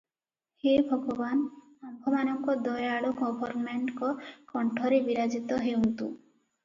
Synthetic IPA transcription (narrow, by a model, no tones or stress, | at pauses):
hebʱɔɡɔban | ambʱɔmanɔŋkɔd̪ɔjaɽɔɡɔbʱɔɾnmeɳʈkɔkɔɳʈʰɔɾebiɾad͡ʒit̪ɔɦewnt̪u